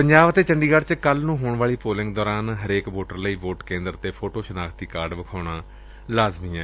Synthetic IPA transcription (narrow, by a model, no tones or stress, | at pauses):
pəɲd͡ʒaːʋət̪eːt͡ʃəɳɖiːɡaɖt͡ʃkəlnũːɦoːɳʋaːɭiːpoːlɪ̃ŋɡd̪ɔːɾaːnɦəɾeːkʋoːʈəɾləiːʋoːʈkẽːnd̪əɾt̪eːpʰoːʈoːʃənaːk̪ʰd̪iːkaːɾɖʋəkʰaːɽaː | laːzmiːɛ̃ː